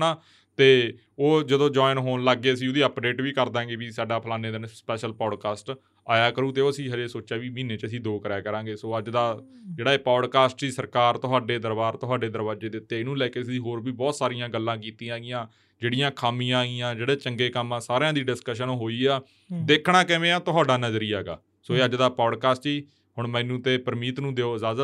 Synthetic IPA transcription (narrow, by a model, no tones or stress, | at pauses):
naː | t̪eː | oːd͡ʒəd̪õːd͡ʒɔːɪnɦoːnləɡːeːəsĩːʊd̪iːəpɖeːʈʋiːkəɾd̪ãːɡeːbiːsaːɖaːpʰəlaːneːd̪enspɛːʃəlpɔːɖkaːsʈ | aːjaːkəɾũːt̪eːoːəsĩːɦəd͡ʒeːsoːt͡ʃaːʋiːmiːneːt͡ʃəsĩːd̪oːkəɾɛːkəɾãːɡeːsoːəd͡ʒd̪aː | d͡ʒeːɽaːeːpɔːɖkaːsʈd͡ʒiːsəɾkaːɾt̪ʊɦaːɖeːd̪əɾbaːɾt̪ʊɦaːɖeːd̪əɾbaːd͡ʒeːd̪ɪt̪ːeːɪnũːlɛːkeːsĩːɦoːɾbiːbɔːt̪saːɾɪjãːɡəlːãːk̬iːt̪ĩːãːɡɪjãː | d͡ʒeːɽɪjãːkʰaːmiːãːiːãːd͡ʒeːɽeːt͡ʃəŋɡeːkəmãːsaːɾãːd̪iːɖɪskəʃ̬ənoːɦoːiːaː | d̪eːkʰɳaːkɛ̃ːʋẽːãːt̪ʊɦaːɖaːnəzəɾiːaːɡa̰ː | soːeːəd͡ʒd̪aːpɔːɖkaːsʈiː | hʊɳmɛ̃ːnũːt̪eːpəɾmiːt̪nũːd̪eːoːzaːz